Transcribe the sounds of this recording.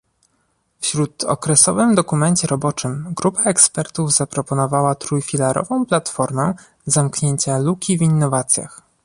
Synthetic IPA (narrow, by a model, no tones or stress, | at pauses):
fɕɾut̪ɔ̰kɾɛsɔvɘmd̪ɔkumɛɲt͡ɕɛɾɔbɔt͡ʂɘmɡɾupaɛkspɛɾt̪uvzapɾɔpɔnɔvawat̪ɾujfʲilaɾʔɔ̰vɔ̃w̃plat̪fɔɾmɛ | zamkɲeɲt͡ɕalukʲivinːɔvat̪sʲja̰x